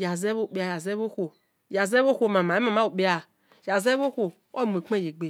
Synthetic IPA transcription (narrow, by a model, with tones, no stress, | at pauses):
ja˨zɛ˦βo˦˨k͡pe˨˦a˨ja˨zɛ˦bo˦xo˨ | ja˨zɛ˦βo˦xʷo˦˨mã˨mã˨e˦mã˨mã˦o˨k͡pe˦a˨ | ja˨zɛ˦βo˦xo˨ | wɔ˦˨m˨e˨k͡pe˦je˨ɡ͡be˨